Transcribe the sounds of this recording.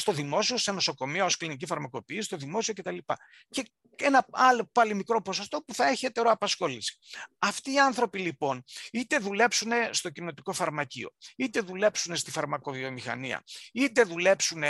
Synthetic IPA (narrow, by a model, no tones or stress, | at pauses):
st̪o̞ðimo̞sio̞seno̞so̞ko̞miɐosklinicifɐɾmɐko̞piːsst̪o̞ðimo̞sio̞cet̪ɐlipɐ̰ | ce̞ | e̞nɐɐlo̞pɐlimikɾo̞po̞so̞st̪o̞puθɐe̞çiet̪e̞ɾoɐpɐsxo̞lisi̥ɐft̪iːɐnθɾo̞pilipo̞nit̪e̞ðule̞psune̞st̪o̞cino̞t̪iko̞fɐɾmɐcḭo̞̰it̪e̞ðule̞psune̞st̪ifɐɾmɐko̞vio̞mixɐ̰niɐ̰it̪e̞ðule̞psune̞